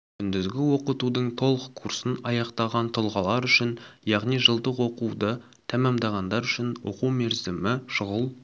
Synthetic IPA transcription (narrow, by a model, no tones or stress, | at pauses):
kʲʰʏnd̪ɪzɡʲɪwo̞qət̪ud̪əɴt̪ʰo̞lˠəqʰːursənɑjɑqt̪ɑʁɑnt̪ʰʊlˠʁɑlˠɑɾʏʃɪnjɑʁnijʒəlˠd̪əqwo̞qud̪ə | t̪ʰæmemd̪ɑʁɑnd̪ɑɾʏʃɪnwo̞̰quwme̞ɾzɪmɪʃʊʁəlˠ